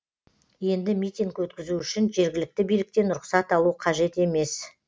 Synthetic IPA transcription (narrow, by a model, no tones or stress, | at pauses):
je̞nd̪ɪmʲijt̪ʲiŋkwɵt̪kʲɪzuʏʃɪnʒe̞ɾɡʲɪlɪk̚t̪ɪbijlɪk̚t̪e̞nʊɾʊqsɑt̪ɑlˠuqʰɑʒe̞t̪e̞me̞s